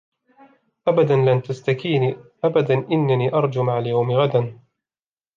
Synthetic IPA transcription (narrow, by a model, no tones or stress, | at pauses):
ʔabad̪anlant̪ast̪akiːniːʔabad̪anʔɪnːaniːʔɑɾˤd͡ʒumaʕaljawmɪɣad̪an